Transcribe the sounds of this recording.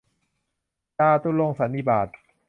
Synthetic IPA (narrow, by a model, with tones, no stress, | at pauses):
kaː˧t̪u˧lo˧ŋsa˨˩˦nːi˧˩baː˨˩t̪̚